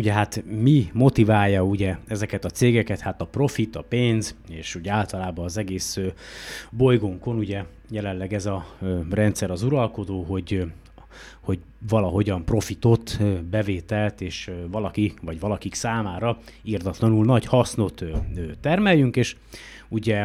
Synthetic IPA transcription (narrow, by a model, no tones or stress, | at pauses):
uɟɛɦat̪mimo̞t̪ivaːjːɒuɟɛɛzɛkɛt̪ɒt̪seːɡɛkɛt̪hat̪ɒpro̞fit̪ɒpeːnzeːʃuɟɛaːlt̪ɒlaːbɒːzɛɡeːsøbo̞jɡoŋko̞nuɟɛ | jɛlɛnlɛɡɛzɒrɛnt̪sɛɾɒzuɾɒlko̞d̪oːɦo̞ɟ | ho̞ɟ | vɒlɒɦo̞ɟɒmpro̞fit̪o̞t̪ːbɛveːt̪ɛlt̪eːʃvɒlɒkivɒɟʋɒlɒkiksaːmaːɾɒ | ird̪ɒt̪lɒnulnɒɟhɒsno̞t̪ːøt̪ɛrmɛjːyŋkeːʃ | uɟɛ